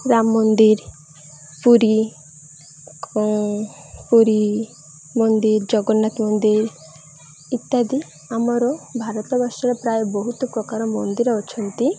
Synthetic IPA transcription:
ɾamːɔnd̪iɾ | puɾi | puɾi | mɔnd̪iɾd͡ʒɔɡɔnat̪mɔnd̪iɾ | it̪ːad̪i | amɔɾɔbʱaɾɔt̪ɔbaʃɔɾɔpɾajɔbɔɦut̪ɔpɾɔkaɾɔmɔnd̪iɾɔɔt͡ʃʰɔnt̪i

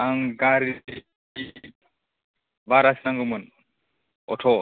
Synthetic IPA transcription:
aŋkaɾi | i | vaɾasinaŋɡomɔn | ɔtʰɔː

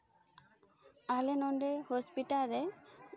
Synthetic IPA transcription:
alɛnɔɳɖehɔspiʈaɾɛ

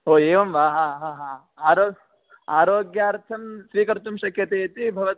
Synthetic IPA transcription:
ɦoːeːʋɐmʋaːɦãːɦãːɦãː | aːɾoː | aːɾoːɡjaːɐɾt̪ʰɐmsʋiːkɐɾt̪umʃɐkʰjɐt̪eːt̪ibʱɐʋɐt̪

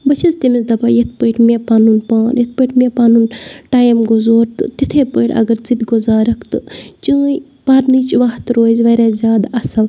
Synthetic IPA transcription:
bɐt͡ʃʰɐzt̪imizd̪ɐbaːjɐt̪̚ʰpəjʈʰmʲepaːnunpaːnjɐt̪̚pəjʈmʲepaːnunʈaːjmɡozoːɾt̪ɨt̪it̪ʰepəjʈɐ̰ɡɐɾt͡sid̪ɡʊzaːɾɐkt̪ɨt͡ʃəːj | paɾnɨːt͡ʃʋaɦt̪ɾoːzʋɐɾʲaːzʲjaːd̪ɐsɐl

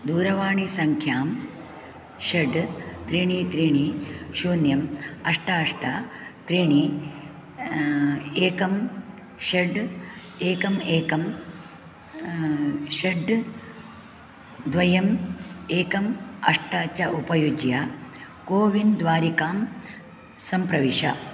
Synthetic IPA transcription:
d̪uːɾɐʋaːɳisɐŋkʰjaːm | ʃeɖt̪ɾiːɳit̪ɾiːɳiʃuːnjɐmɐʂʈɐɐʂʈɐt̪ɾiːɳi | eːkɐm | ʃeɖ | eːkɐmeːkɐm | ʃeɖ | d̪ʋɐjɐmeːkɐmɐʂʈɐt͡ʃːɐʔupɐjud͡ʒja | koːʋind̪ʋaːɾikaːm | sɐmpɾɐʋiʂɐ̰

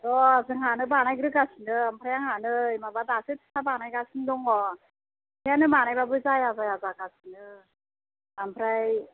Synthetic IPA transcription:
ɔzɯŋɦanɯbanajɡɾɯɡasinɯampʰɾajaŋhanɯjmabadasɯtʰsʰabanajɡasindɔŋɔ | pʰeanɯmanajbabɯzajazajazakasinɯ | ampʰɾaj

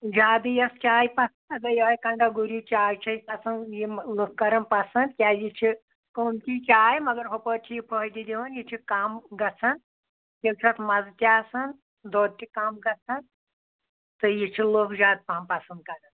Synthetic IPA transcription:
d͡ʒaːd̪ɨjɐst͡ʃʲaːjpɐsɐnd̪ɐɡɐjiʋaːjkɐɳɖaɡuɾit͡ʃaːjt͡ʃʰɐjpɐsɐnjiloːkkːɐɾɐnpɐsɐnd̪kʲjaːjit͡ʃʰi | komt̪ʲit͡ʃaːjmɐɡɐɾɦopət͡ʃʰijipʰəɦjd̪id̪ʲiʋɐnjit͡ʃʰikaːmɡɐt͡sʰɐn | jʲewt͡ʃʰat̪mɐzt̪ʲaːsɐn | d̪oːd̪̚t̪ikaːmɡɐt͡sʰɐn | t̪ɨjit͡ʃʰiloːkd͡ʒaːd̪̚paːmpɐsɐnd̪̚kaɾɐn

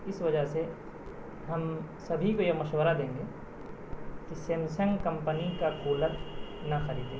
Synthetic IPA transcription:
ɪsʋɐd͡ʒəɦse | ɦɐmsɐbʱikojemɐʃwəɾad̪ẽːŋɡeː | kisemsə̃ŋɡkɐ̃mpənikakuːləɾnɐxɐɾiːd̪ẽː

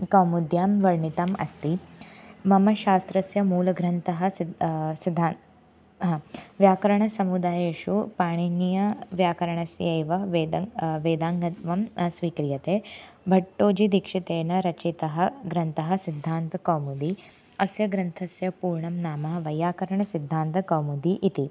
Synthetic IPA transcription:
kɐːmud̪jaːmʋɐɾɳit̪ɐmɐ̰st̪i | mɐmɐʃaːst̪ɾɐsjɐmuːlɐɡɾɐnt̪ɐɦɐ̆sid̪ʱːaː | ɦɐʋjaːkɐɾɐɳɐsɐmud̪aːjeːʂupaːɳinjɐʋjaːkɐɾɐɳɐsjeːʋɐʋeːd̪ɐʋeːd̪aːŋɡɐʋɐmsʋiːkɾijɐt̪eːbʱɐʈːoːd͡ʒid̪ikʂit̪eːnɐɾɐt͡ʃit̪ɐɦɐɡɾɐnt̪ɐɦɐsid̪ʱːaːnt̪ɐkɐwmud̪i | ɐsjɐɡɾɐnt̪ʰɐsjɐpuːɾɳɐmnaːmɐɦɐʋɐjaːkɐɾɐɳɐsid̪ʱːaːnt̪ɐkɐwmud̪iʔit̪i

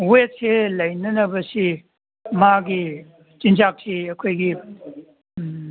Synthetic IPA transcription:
wet̚sʰelɐjnɐnɐbɐsi | maɡi | t͡ʃint͡ʃak̚siɐkʰojɡi

